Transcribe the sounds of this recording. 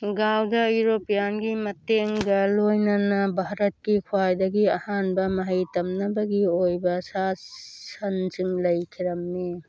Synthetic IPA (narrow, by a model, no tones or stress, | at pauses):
ɡawdɐuɾopijanɡimɐteŋɡɐlojnɐnɐbʱaɾɐt̚kikʰuwajdɐɡiɐhanbɐmɐɦɐjtɐmnɐbɐɡiojbɐsasɐnt͡ʃiŋlɐjkʰiɾɐmni